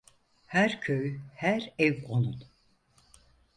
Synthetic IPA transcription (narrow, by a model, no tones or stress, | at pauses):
hæɾcʰøjhæɾɛvonˠun